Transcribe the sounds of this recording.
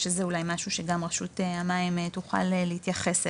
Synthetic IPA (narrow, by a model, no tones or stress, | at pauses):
ʃezeulajmaʃuʃe̞ɡamʁeʃuteamaimetuχa̰lelehit̪jaχes